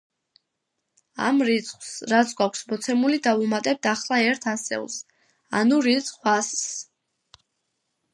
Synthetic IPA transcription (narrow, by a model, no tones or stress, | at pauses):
a̰mɾit̪sʰʼχwsɾat̪sʰɡwakʷʰsmɔt̪sʰɛmulid̪avumat̪ʼɛb̚d̪aχlˠaɛɾt̪ʰasɛ̰lˠs | a̰nuɾit̪sʼχwass